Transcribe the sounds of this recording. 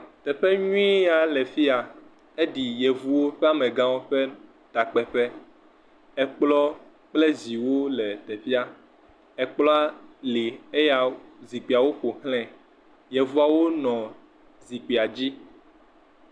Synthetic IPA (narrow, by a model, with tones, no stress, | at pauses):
t̪ɛ˨ɸɛ˦ɲũ˦i˦ja˦lɛ˨fi˦a˨ | e˦ɖi˨jɛ˨vu˦wo˦ɸɛ˦a˦mɛ̃˨ɡã˦wo˦ɸɛ˦ | t̪a˨k͡pɛ˨ɸɛ˦ | ɛ˦k͡plɔ˦ | k͡plɛ˦zi˨wo˦lɛ˨t̪ɛ˨fi˦a˦ | ɛ˨k͡plɔ˦a˦li˨e˦ja˨zi˨k͡pi˨a˨wo˦ɸo˨hlɛ̃˦ | jɛ˨vu˦a˨wo˦nɔ̃˨ | zi˨k͡pi˨a˨d͡ʑi˦